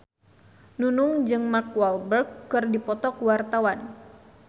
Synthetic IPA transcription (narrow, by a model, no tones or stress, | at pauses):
nunʊŋd͡ʒɨŋmakwalbərkːɨrdipɔt̪ɔkuwart̪awan